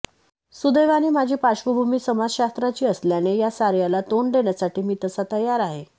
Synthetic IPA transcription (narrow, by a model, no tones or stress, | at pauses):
sud̪əjʋaniːmad͡ʑʱiːpaɕʋəbʱumiːsəmad͡zɕast̪ɾat͡ɕiːəsljanejasaɾjalat̪oɳd̪eɳjasaʈiːmiːt̪əsat̪əjaɾaɦe